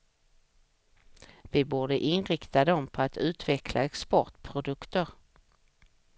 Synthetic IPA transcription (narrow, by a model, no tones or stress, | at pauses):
vɪbuːɖəʔɪnɾɪkt̪ad̪ɔmpʰɔat̪ʉ̟ːt̪vɛkʰlʔa̰ɛkspɔʈpʰɾʊd̪ɵkt̪əɾ